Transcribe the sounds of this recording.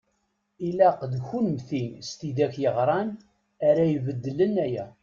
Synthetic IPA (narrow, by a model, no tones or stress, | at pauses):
ilæqðçunmθinst̪id̪æçjəʁɾˤɑn | æɾæjəvəd̪ːələnæjæ